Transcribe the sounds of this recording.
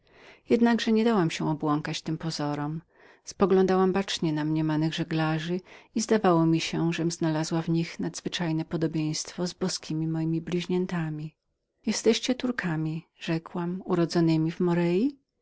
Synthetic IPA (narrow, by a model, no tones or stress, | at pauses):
jɛd̪naɡʐɛɲɛd̪awamɕɛ̃ɔbwɔŋkat͡ɕt̪ɘmpɔzɔɾɔm | spɔɡlɔ̃nd̪awambat͡ʂɲɛnamɲɛmanɘɣʐɛɡlaʐɘizd̪avawɔmʲiɕɛʐɛmznalazwavɲixnad̪zvɘt͡ʂajnɛpɔd̪ɔbʲjẽj̃st̪fɔzbɔskʲimʲimɔjimʲiblʲiʑɲɛnt̪amʲi | jɛst̪ɛɕt͡ɕɛt̪uɾkʰamʲiʐ̥ɛkwamuɾɔd̪zɔnɘmʲivmɔɾɛji